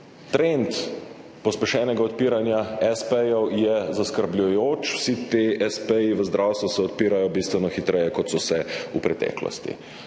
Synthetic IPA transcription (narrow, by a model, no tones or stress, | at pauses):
t̪ɾent̪ | pɔspɛʃɛːnɛɡaɔt̪̚piːɾanjaɛspɛjɔwjɛzaskəɾblʲujoːt͡ʃwsit̪eɛspɛjiʋəzd̪ɾʔawst̪ʋusɛɔt̪piːɾajɔbist̪ʋɛnɔxit̪ɾɛjɛkɔt̪sɔsɛupɾɛt̪ɛ̰ːklɔ̰st̪ḭ